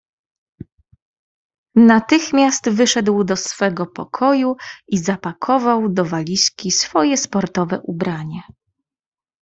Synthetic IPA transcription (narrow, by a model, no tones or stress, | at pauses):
nat̪ɘxmʲjast̪vɘʂɛd̪wd̪ɔsfɛɡɔpɔ̰kʰɔjuizapakʰɔvawd̪ɔvalʲiskʲisfɔjɛspɔɾt̪ɔvɛ̰ʔubɾaɲɛ